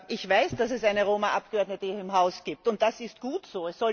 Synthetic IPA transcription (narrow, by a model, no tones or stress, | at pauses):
ʔɪçv̥aɪsd̥asɛsaɪnəʁoːmaʔap̚ɡ̥əɔɐdnətəɪmɦaʊsɡ̥iːp̚tʊnt̚d̥asɪst̚ɡ̥uːtz̥oːɛsz̥ɔ